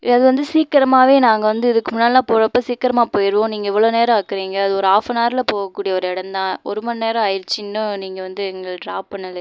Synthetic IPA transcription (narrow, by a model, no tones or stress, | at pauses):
ɐðɯʋɐnd̪ɯsiːkːɪɾɐmaːʋeːnaːŋɡɐʋɐnd̪ɯɪðɯkːɯmʊnːaːlɪlãːpoːɾɐpːosiːkːɐɾɐmaːpoːjɪɾɯʋõːniːŋɡɐɛʋːɐɭoːneːɾɐ̃aːkːɪɾiːŋɡɐːðɯɔɾɯaːfɐnaːɾɪlɐpoːɣɐkːuːɽɪjɐɔɾɯɪɽɐnd̪ãːɔɾɯmɐnneːɾɐ̃ɐjɪɾt͡ʃːɪnːʊniːŋɡɐʋɐnd̪ɯɛŋɡɐɭɖɾaːpɐnːɐl